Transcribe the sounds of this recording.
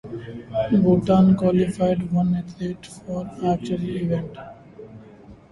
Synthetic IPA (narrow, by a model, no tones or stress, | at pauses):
boʈãnkwɔlifaɪɖʋʌ̃net̪ʰeːʈfɔːɾæk̚t͡ʃuəliʋẽɳʈ